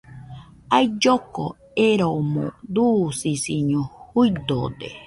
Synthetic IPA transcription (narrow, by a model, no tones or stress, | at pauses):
aid͡ʒoko̰ | eɾomõ̰d̪uːsisiɲõhuid̪od̪ḛ